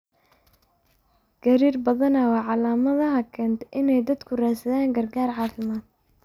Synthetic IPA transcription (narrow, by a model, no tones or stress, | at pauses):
ɡ̥ɐɾiːrbɐðɐnɐwɑːʕɑlaːmɐðɐɦɐkʰɛːnt̪ʰʔɪnɛjd̪ɐd̪kʰʊraːsɐðaːŋɡɐrɡaːrʕɑːfɪmaːd̪̚